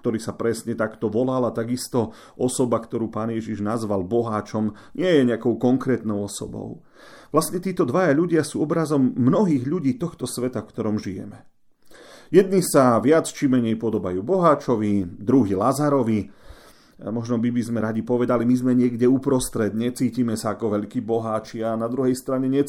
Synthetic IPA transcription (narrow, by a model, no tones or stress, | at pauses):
kt̪ɔɾiːsapɾɛsɲɛt̪akt̪ɔʋɔlalat̪aɡist̪ɔ | ɔsɔbakt̪ɔɾuːpaːnjɛʒiʒnazʋalbɔɦaːt͡ʃɔm | ɲɪɛjɛɲɛakɔʊkɔŋkɾɛːt̪nɔʊɔsɔ̰bɔ̰ʊ | ʋlast̪ɲɛt̪iːt̪ɔd̪ʋajaʎuɟɪasuːɔbɾazɔmːnɔɦiːɣʎuɟiːt̪ɔxt̪ɔsʋɛt̪afkt̪ɔɾɔmʒijɛ̰mɛ | jɛd̪̚nisaʋɪat͡st͡ʃimːɛɲɛjpɔd̪ɔbajuːbɔɦaːt͡ʃɔʋid̪ɾuɦilazaɾɔʋi | mɔʒnɔbibizmɛɾaɟipɔʋɛd̪alimizmɛɲɪɛɡɟɛupɾɔst̪ɾɛd̪ɲɛt͡siːciːmɛsaːkɔʋɛʎkiːbɔɦaːt͡ʃianad̪ɾuɦɛjst̪ɾaɲɛɲɛ